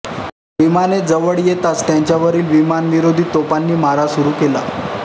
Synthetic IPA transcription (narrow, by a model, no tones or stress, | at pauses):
ʋimaned͡zəʋəɽjet̪ast̪jaɲt͡ɕaʋəɾiːlʋimanʋiɾod̪ʱiːt̪opanːiːmaɾasuɾuːkela̰